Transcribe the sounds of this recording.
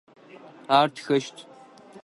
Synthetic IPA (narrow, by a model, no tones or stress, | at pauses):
aːrtʰxɐʃtʰ